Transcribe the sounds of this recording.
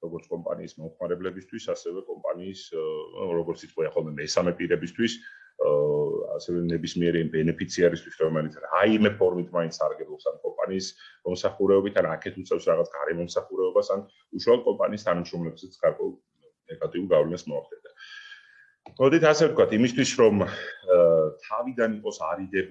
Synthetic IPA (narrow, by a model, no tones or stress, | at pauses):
ɾɔɡɔɾt̪sʰkʼɔmpʼa̰niːsmɔmχmaɾɛblɛbist̪ʰwisasɛvɛkʼɔmpʼa̰niːs | ɾɔɡɔɾt̪sʰit̪qʼwiaχɔlˠmɛmɛsamɛpʼiɾɛbist̪ʰwis | a̰sɛvɛnɛbismiɛɾiimbɛnɛpʰit̪sʰiaɾist̪ʰwisɾɔmɛlit̪sʰɾaimɛpʰɔɾmit̪ʰmaint̪ssaɾɡɛblˠɔpsankʼɔmpʼa̰niːsɔmsaχuɾɛɔbit̪ʰanakʰɛt̪ʰut̪sʼɛfsɾaʁat̪sʰɡaɾɛmɔmsaχuɾɛɔbasan | uʃwalˠɔt̪̚kʼɔmpʼaniːst̪ʰanamʃɾɔmlɛbzɛt̪sɡ̥aɾkʼwɛulˠ | nɛɡat̪ʼiuɾɡavlɛnasmɔaχt̪ʼɛnd̪a | mɔd̪it̪ʰasɛvt̪̚kwat̪ʰimist̪ʰwisɾɔm | t̪ʰavid̪aniqʼɔsaɾid̪ɛ